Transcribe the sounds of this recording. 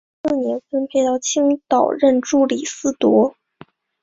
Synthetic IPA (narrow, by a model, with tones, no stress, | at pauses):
s̩˥˩njɛ˧˥nfə˥npʰɛ˥ɪt̪ɑ˥˩ʊt͡ɕʰi˥ŋt̪ɑ˨˩ʊɻə˥˩nʈ͡ʂu˥˩li˨˩sɹ̩˥˩t̪wɔ˧˥